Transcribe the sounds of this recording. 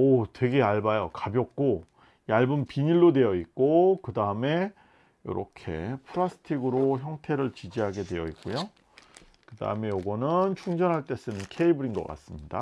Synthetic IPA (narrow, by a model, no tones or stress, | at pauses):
otwe̞ɡe̞aɭbajʌkabjʌk̚k͈o | iaɭbumpiɲiɭːodwe̞jʌik̚k͈okɯdaɯme̞ | jo̰ɾʌ̰kʰe̞̰pʰɯɾasʰɯ̥tʰiɡɯɾoçjʌŋtʰe̞ɾɯɭt͡ɕid͡ʑiɦaɡe̞dwe̞jʌ̰ik͈ojo | kɯda̰ɯme̞joɡʌnɯnt͡ɕʰuŋd͡ʑʌnɦaɭt͈e̞s͈ɯnɯnkʰe̞ibɯɾinɡʌk͈a̰s͈ɯmɲida̰